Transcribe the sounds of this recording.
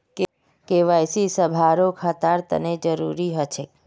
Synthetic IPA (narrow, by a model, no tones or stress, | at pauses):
k | keʋajsisəbʱaɾokʰat̪aɾt̪ə̰ned͡ʒəɾṵɾiɦət͡ʃʰe